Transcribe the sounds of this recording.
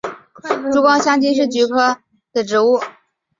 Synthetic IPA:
ʈ͡ʂu˧˥kwɑ˥ŋɕjɑ˥ŋt͡ɕi˥nʂ̬ɻ̩˥˩t͡ɕy˧˥kʰɤ˥ | d̪̥ə˨ʈ͡ʂɻ̩˧˥u˥˩

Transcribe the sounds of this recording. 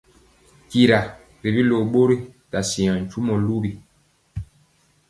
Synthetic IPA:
ki˨ɾa˨ | ɾi˨bi˦lo˨ɓo˦ɾi˦ta˨si˨ã˨n̩˨t͡ʃu˦mɔ˨lu˦bi˨

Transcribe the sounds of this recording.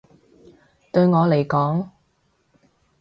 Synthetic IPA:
t̪ɵ˧ɥŋɔː˨˧le˨˩jkɔː˨˥ŋ

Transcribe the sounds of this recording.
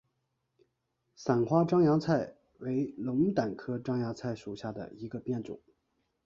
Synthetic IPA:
sa˨˩nxwa˥ʈ͡ʂɑ˥ŋjɑ˧˥ŋt͡sʰa˥˩ɪ | we˧˥ɪlʊ˧˥ŋ˥t̪a˨˩nkʰɤ˥ʈ͡ʂɑ˥ŋjɑ˧˥t͡sʰa˥˩ɪʂu˨˩ɕja˥˩d̪ə̰˩i˧˥ɡə˧pjɛ˥˩nt͡sʊ̰˨˩˦ŋ

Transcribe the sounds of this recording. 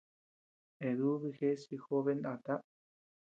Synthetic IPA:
e˨ðu˦βi˧xe˦si˧xo˦βe˦˧nd̪a˧t̪a˦

